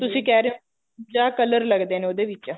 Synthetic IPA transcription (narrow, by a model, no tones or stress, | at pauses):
t̪ʊsĩːkɛːɾẽ | d͡ʒaːkələɾləɡd̪eːneoːd̪eːʋɪt͡ʃaː